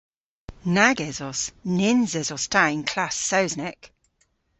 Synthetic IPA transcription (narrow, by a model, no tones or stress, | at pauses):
naɡɛzɔsnɪnzɛzɔstʰaɪ̃nkʰl̥asəʊznɛk